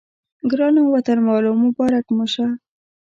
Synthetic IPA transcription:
ɡɾɑnowat̪anmɑlomʊbɑɾakmʊʃa

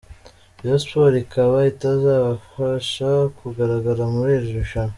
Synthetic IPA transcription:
jospoɾikaβaitazaβafaʃakuɡaɾaɡaɾamuɾeːʒɾuʃam

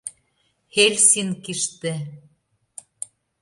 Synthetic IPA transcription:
helʲsinkiʃt̪ĕ

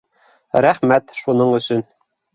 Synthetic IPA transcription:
ɾæχmæt̪ʃunɤɴɵ̆sɵn

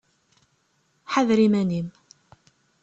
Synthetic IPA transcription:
ħaðɾimænim

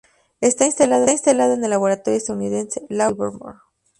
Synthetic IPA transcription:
e̞st̪ainst̪alaðoinst̪alaðoene̞laβ̞o̞ɾat̪o̞ɾjoest̪aðuniðe̞nselaulβoɾmo̰ɾ

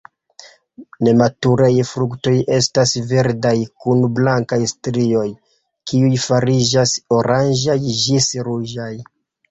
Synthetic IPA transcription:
ne̞matuɾajfɾukto̞je̞stasve̞ɾdajkunblaŋkajstɾio̞j | kiujfaɾid͡ʒaso̞ɾand͡ʒajd͡ʒisɾud͡ʒaj

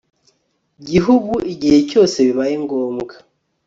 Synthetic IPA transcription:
ɟiɦuɡuiɟihe̞co̞ːse̞βiβajeŋɡoːmɡa

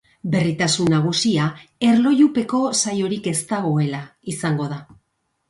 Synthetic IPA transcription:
be̞rit̪asunːaɣ̞usiae̞ɾlo̞jupe̞ko̞sajo̞ɾike̞st̪aɣ̞o̞e̞laisaŋɡo̞ð̞a

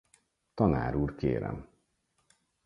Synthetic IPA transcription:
t̪ɒnaːɾuːrkeːɾɛ̰m

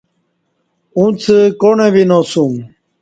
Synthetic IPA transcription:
ũt͡sʰəkonebinosum

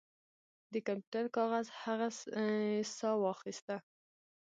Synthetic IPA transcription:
d̪əkampjuʈaɾkɑɣazhaɣa | sɑwɑxist̪a

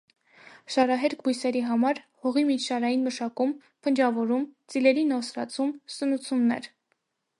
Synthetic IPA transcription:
ʃɑɾɑɦɛɾkʰbujsɛɾiɦɑmɑɾ | hɔʁimit͡ʃʰʃɑɾɑjinməʃɑkum | pʰənd͡ʒɑvɔɾumt͡silɛɾinɔsɾɑ̰t͡sʰumsənut͡sʰunnɛ̰ɾ

